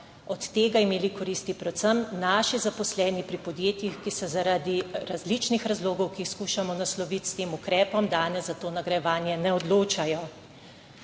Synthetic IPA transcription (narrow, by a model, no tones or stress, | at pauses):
ɔt̪ːeːɡaimeːlikɔɾiːst̪ipɾɛt̪səmnaːʃizapɔslɛːnipɾipɔd̪jeːt̪jixkisɛzaɾaːd̪iɾazlit͡ʃnixɾazloːɡɔwkixskuːʃamɔnaslɔʋit̪st̪eːmukɾɛːpɔmd̪aːnɛzːat̪oːnaɡɾɐjɛʋaːnjɛnɛɔd̪loːt͡ʃajɔ